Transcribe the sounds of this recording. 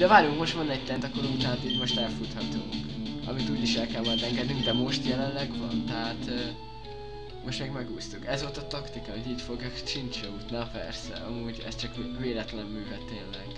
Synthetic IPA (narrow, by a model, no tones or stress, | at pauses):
d̪ɛvaːɾjuŋkmo̞ʃt̪ʋɒnɛc̚t̪ɛnt̪ɒkoɾuŋt̪ɛɦaːt̪iːɟmo̞ʃt̪ɛlfut̪hɒt̪uŋkɒ̰mit̪uːɟiʃɛlkɛlmɒjd̪ɛŋɡɛd̪nyŋɡd̪ɛmo̞ʃt̪jɛlɛnlɛɡvɒ̰nt̪ɛɦaːt̪ː | mo̞ʃt̪meːɡmɛɡuːst̪ukɛzo̞lt̪ɒt̪ɒkt̪ikɒmid̪iːcfo̞ɡjɒkt͡ʃint͡ʃɛut̪napɛ̰rsɛ̰ɒ̰muːɟɛ̰st͡ʃɒkveːlɛt̪lɛmːyːvɛt̪ːeːnlɛɡ̥